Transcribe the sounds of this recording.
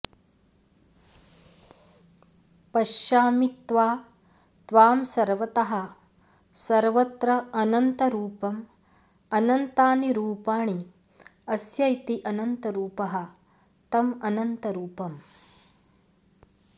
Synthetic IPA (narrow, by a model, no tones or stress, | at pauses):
pɐʃjaːmit̪ʋaː | t̪ʋaːmsɐɾʋɐt̪ɐɦɐ̆ | sɐɾʋɐt̪ɾɐɐnɐnt̪ɐɾuːpɐm | ɐnɐnt̪aːniɾuːpaːɳi | ɐsjɐjt̪iʔɐnɐnt̪ɐɾuːpɐɦɐ̆ | t̪ɐmɐnɐnt̪ɐɾuːpɐm